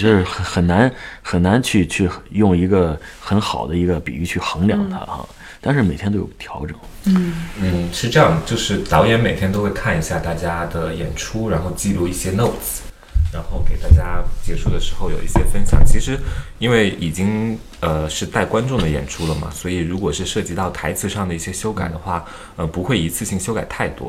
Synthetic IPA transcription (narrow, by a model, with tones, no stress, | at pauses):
o˥˧ʂɻ̩˥˩xə˨˩xə˨˩nna˧˥nxə˨˩nna˧˥nt͡ɕʰy˥˧t͡ɕʰy˥˩jʊ˥˩ŋi˧˥ɡə˧xə˧˥nxɑ˨˩ʊd̪ə˦i˧˥ɡə˧pḭ˨˩y˥t͡ɕʰy˥˩xɤ˧˥ŋljɑ̰˨˩ŋt̪ʰa̰˧˥xɐ̰˧ | t̪a˥˧nʂɻ̩˥˩e˨˩t̪ʰjnt̪o˥ʊjo˨˩ʊt̪ʰjɑ˧˥ʊʈ͡ʂɤ̰˨˩ŋ˦n̩˥˩ʂɻ̩˥˧ʈ͡ʂɤ˥˩jɑ˥˩ŋt͡ɕjo˥˧ʊʂɻ̩˥˩t̪ɑ˧˥ʊjɛ˧˥nme˨˩ɪt̪ʰjɛ˥nt̪o˥ʊxwe˥˧ɪkʰa˥˩ni˧˥ɕja˥˧t̪a˥˩t͡ɕja˥d̪ə˨jɛ̰˨˩nʈ͡ʂʰu˥ɻa˧˥nxo˥˧ʊt͡ɕi˥˧lu˥˧i˥˩ɕjɛ˥no˥˩ʊt̪s | ɻa˧˥nxo˥˩ʊke˨˩ɪt̪a˥˩t͡ɕja˥t͡ɕjɛ˧˥ʂu˥˩d̪ə˩ʂɻ̩˧˥xo˥˧ʊjo˨˩ʊḭ˥˩ɕjɛ˥fə˥nɕjɑ̰˨˩ŋt͡ɕʰi˧˥ʂɻ̩˧˥i˥nwe˥˩ɪʔi˨˩t͡ɕi˥ŋ | ə˧ʂɻ̩˥˧t̪a˥˩ɪkwa˥nʈ͡ʂʊ˥˩ŋd̪ə˩jɛ̰˨˩nʈ͡ʂʰu˥lə˨mɐ̰˩swɔ˧˥i˨˩ɻu˧˥kwɔ˨˩ʂɻ̩˥˧ʂɤ˥˩t͡ɕi˧˥t̪ɑ˥˩ʊt̪ʰa˧˥ɪt͡sʰɹ̩˥˧ʂɑ˥˩ŋd̪ə˩i˥˩ɕjɛ˥ɕjo˥ʊka̰˨˩ɪd̪ə˦xwa˥˩ | ə˧pu˧˥xwe˥˩ɪi˧˥t͡sʰɹ̩˥˧ɕi˥˩ŋɕjo˥ʊka˨˩ɪt̪ʰa˥˩ɪt̪wɔ̰˥